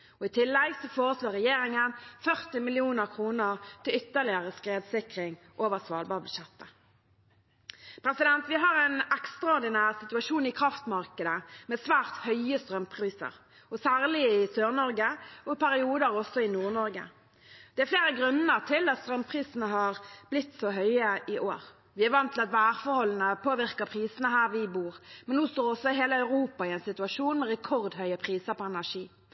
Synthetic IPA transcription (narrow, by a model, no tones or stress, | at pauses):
ɔɪt̪ʰɪlːɛɡsɔfoːʁəsloːʁɛjeːɾɪŋənfœʁt̪ɪmɪlɪuːnəʁkʰʁuːnəʁt̪ʰɪlʏt̪ːəʁlɪəʁəskʁeːd̪sɪkʁɪŋ | ʔoːʋəʁsʋɑːlbɑːbʉʃɛt̪ːə | pʰɾɛsɪd̪ɛnt̪ʋɪɦɑʁɛɪnɛkst̪ʁɑɔʁd̪ɪnæːʁsɪt̪ʉɑʃuːnɪkʰʁɑft̪mɑʁkəd̪əmɛːsʋæːʁt̪hœʏəst̪ʁœmpʰʁiːsə̰ʁ | ɔsæːʁlɪɪsøːʁnɔʁɡəɔɪpæɾɪuːd̪əɾɔsːɔɪnuːʁnɔɾɡə̰ | d̪̥ɛæfleːɾəɡɾʉnəʁt̪ʰɪlɑt̪st̪ɾœmpʰʁiːsnəɦɑʁblɪt̪ːsoːɦœʏəʔɪʔoːɾ | ʋɪæɾʋɑnt̪ʰːɪlɑt̪ʋæːʁfɔɾhɔlːən̩əpʰoːʋɪʁkəpʰʁiːsənəɦæːʁʋɪbuːʁmɛnnuːst̪oːɔsɔɪɦeːləɑʉʁuːpɑɪɛnsɪt̪ʉɑʂuːnmɛɾɛkʰɔʁd̪hœʏəpʰʁiːsəɾpɔɛnæʂiː